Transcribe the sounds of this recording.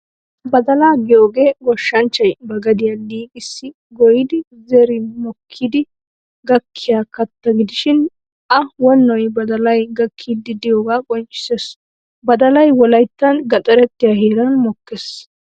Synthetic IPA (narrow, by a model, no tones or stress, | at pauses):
bɐd̪ɐlaːɡɪjoːɡe̞ːɡɔʃːɐnt͡ʃːɐjbɐɡɐd̪ɪjaliːkʼɪsːɪ | ɡɔjɪd̪ɪ | zɛɾɪmɔkʰːid̪ɪ | ɡɐkʰːɪjaːkɐt̪ːɐɡɪd̪ɪʃɪn | ʔɐwɔnːɔjbɐd̪ɐlɐjɡɐkʰːiːd̪ːɪd̪ɪjoːɡaːkʼɔnt͡ʃʼːɪ̥ses | bɐd̪ɐlɐjwɔlɐjt̪ːɐnɡɐt̪ʼɐɾɛt̪ːɪjaheːɾɐnmɔkːes